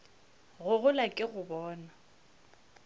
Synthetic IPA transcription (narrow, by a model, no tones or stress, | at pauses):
ɣʊɣʊlakʼɪɣʊbɔːna